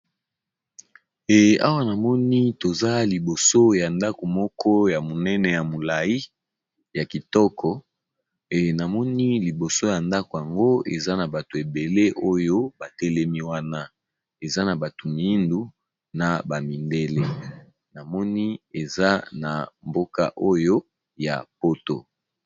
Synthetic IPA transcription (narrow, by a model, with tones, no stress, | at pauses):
e˨a˦wa˦na˨mɔ˦ni˦to˨za˦li˨bo˨so˦ja˨nda˦ko˨mɔ˦kʰɔ˦ja˨mo˨nɛ˦nɛ˨ja˨mo˨la˨i˦ | ja˨ki˨tɔ˦kʰɔ˨ | e˨na˨mɔ˦ni˦li˨bo˨so˦ja˨nda˦ko˨ja˨ŋɡo˦ḛ˨za˦na˨ba˨to˨e˨be˨le˦ʔo˦jo˦ba˨tɛ˦lɛ˦mi˦wa˦na˦ | e˨za˦na˨ba˨to˨mi˨i˦ndu˦ | na˨ba˨mi˨nde˦le˦ | na˨mɔ˦ni˦e˨za˦na˨mbo˦ka̰˦ʔo˦jo˦ | ja̰˨po˦to̰˨